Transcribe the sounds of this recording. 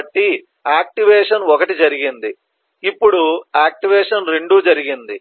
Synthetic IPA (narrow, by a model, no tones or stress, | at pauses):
ʈːi | aːk̚ʈiʋɛːʂɐnɔkɐʈid͡ʒɐɾiɡind̪i | ipːuɽuaːk̚ʈiʋɛːʂɐnɾeɳɖuːd͡ʒɐɾiɡind̪i